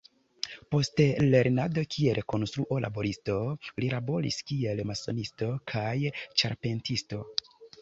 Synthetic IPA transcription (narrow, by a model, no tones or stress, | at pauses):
po̞stele̞ɾnado̞kʰieɾʔeko̞nstɾuʔolʔa̰bo̞ɾisto̞liɾabo̞lḭskie̞lmaso̞̰nisto̞kʰajt͡ʃa̰ɾpe̞ntisto̞